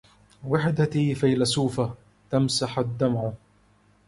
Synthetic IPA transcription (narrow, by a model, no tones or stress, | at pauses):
waħd̪at̪iːfajlasuːfa | t̪amsaħad̪ːamʕ